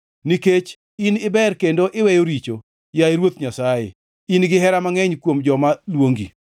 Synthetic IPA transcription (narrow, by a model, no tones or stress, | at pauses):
niket͡ʃ | inɪbɛrkendoʔɪwɛjoɾit͡ʃo | jaeɾwot̪ɲasajḛ | inɡɪɦɛɾamaŋɛɲkwomd͡ʒɔmalwoŋɡḭ